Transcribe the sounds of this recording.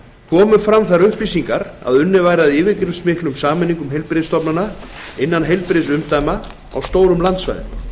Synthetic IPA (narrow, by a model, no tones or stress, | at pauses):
kʰɔːmʏfɾamθaɾʏhplisiŋkaɾa̰ðʏnːɪvaːjɾaðɪːvɪkɾɪɾmsmɪhklʏmsaːmɛniŋkʏmɦejlpɾɪst̪ɔpnanaɪnːanɦejlpɾɪsʏmt̪ajma | a̰wst̪oːwɾʏmlant̪sva̰jðɪ̰m